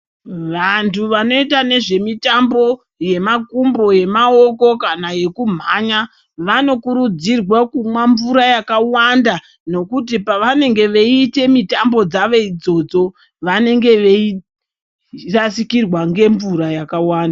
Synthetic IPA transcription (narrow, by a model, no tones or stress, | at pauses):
ʋantʰuʋano̞itane̞ʐe̞mitambo̞ | je̞makumbo̞je̞mao̞ko̞kanaje̞kum̤aːɲa | ʋano̞kuɾud͡zirwakumwaɱvuɾajakawanda | no̞kut̬ipaʋane̞ŋɡe̞ʋeite̞mitambo̞d͡zaʋe̞id͡zo̞d͡zo̞ | ʋane̞ŋɡe̞ʋei | rasikirwaŋɡe̞ɱvuɾajakawaːnda